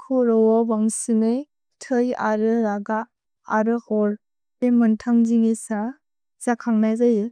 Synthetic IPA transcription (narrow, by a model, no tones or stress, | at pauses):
kʰuɾɔwɔbaŋsɯŋɯj | tʰɯja̰ɾɯɾaɡaː | ɾɯkɔɾ | emɯntʰaŋziŋesa | zakʰaŋnajzajɯ